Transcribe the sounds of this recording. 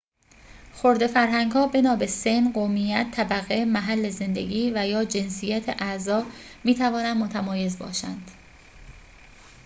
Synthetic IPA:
xo̞ɾd̪e̞fæɾɦæŋɡhɒːbe̞nɒːbe̞se̞nɢomijæt̪ʰːæbæɣemæɦælːeze̞nd̪e̞̰ɡiːvæjɒːd͡ʒe̞nsijæt̪ʰeʔæzɒːmiːt̪ʰævɒːnænd̪mot̪ʰæmɒːje̞zbɒ̰ːʃæ̰nd̪̥

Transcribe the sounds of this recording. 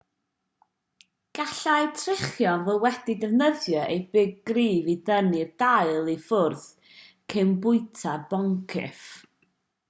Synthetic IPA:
ɡ̥aɬajtʰrɪχjɔvɔwɛdidɛvnəðjɔʔejbɪɡ̚ːriːvidənird̥aɨlˠifʊrθ | kʰenbʊɨtʰarbɔŋkʰɪ̰f

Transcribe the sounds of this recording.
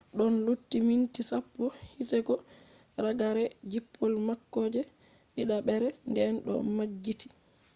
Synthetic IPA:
ɗɔnlutːimintisapːɔhitɛɡɔ | ɾaɡaɾɛd͡ʒipʰːɔlmakːɔːd͡ʒɛ | ɗiɗaɓɛɾɛndɛnɗɔ̰mad͡ʒːiti̥

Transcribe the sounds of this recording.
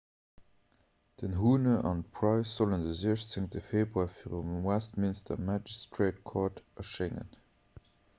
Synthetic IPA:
d̥ənɦuːnəʔɑ̰n̚pʰʁɑɪsz̥oləndəziəʃt͡seŋtəfeːbʁuaːfiːʁumwæstminstɐ̰mad͡ʒistɹeɪtkʰɔːtɑʃeŋə̰n

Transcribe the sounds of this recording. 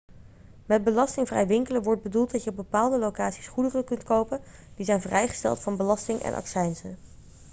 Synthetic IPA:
mɛd̚bəlɑstɪŋvrɛ̰jʋɪŋkələnʋɔɹd̚bədulˠt̚dɑtjəb̚bəpaːlˠdəlowkaːtsi̥sχudərəkɵntkowpənd̥izɛjnvrɛjχə̥stɛ̰lˠtfɑnbəlɑstɪŋʔɛ̰nʔɑ̰ksɛjnsə̰n

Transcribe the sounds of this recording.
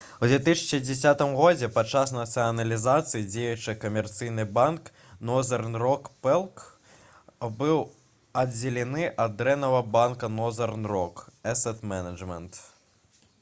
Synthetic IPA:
wdd͡z̪ʲvʲɛt̪̬ɨsʲɐ̥t͡ʂɨd͡zʲɛs̬ʲat̪ɨmɣɔd͡zʲɛpat͡ʂːas̬nɐt̪sɨɐnɐlʲizat̪sɨjid͡zʲejut͡ʂɨkɐmʲɛrt̪sɨjnɨbank | nɔzɐrnrɔkpɛlˠk | bɨw | ɐd͡zʲɛlʲɛnɨʔɐd̪d̪ɾɛnɐvɐbankɐnɔzɐrnrɔkɛsɛt̪mɛnɐd͡ʐmʲɛnt̪

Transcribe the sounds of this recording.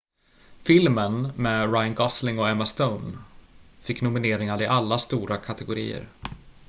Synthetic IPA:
fɪlmənmɛːɾajnɡɑslɪŋɔɛmast̪əʊn | fɪkːnʊmɪneːɾɪŋaɾɪʔalːast̪uːɾakʰat̪ʰɛɡʊɾḭːə̰ɾ

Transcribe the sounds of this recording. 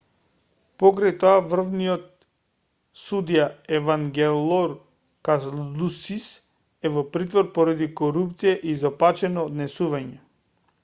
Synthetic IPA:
pɔkɾajt̪ɔavr̩vnijɔt̪̚ | sud̪ijaɛvaŋɡɛlˠɔɾ | kalusis | ɛvɔpɾit̪vɔɾpɔɾad̪ikɔɾupt̪sijaʔizɔpat͡ʃɛnɔːd̪nɛsuvaɲɛ

